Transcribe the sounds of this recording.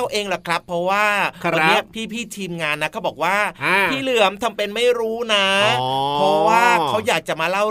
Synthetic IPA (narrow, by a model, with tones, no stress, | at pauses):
wʔeː˧ŋlɔ˨˩kʰɾa˦˥pʰːɾɔ˦˥waː˥˩˧a˧nːi˦˥ɐ˨pʰiː˥˩pʰiː˥˩t̪ʰiː˧mŋaː˧nːa˦˥kʰa˦˥wbɔː˨˩k̚waː˥˩iː˥˩lɯ˨˩əmt̪ʰa˧mpe˧nma˥˩jɾuː˦˥na˦˥pʰɾɔ˦˥waː˥˩kʰa˦˥wjaː˨˩k̚t͡ɕa˨˩maː˧la˥˩w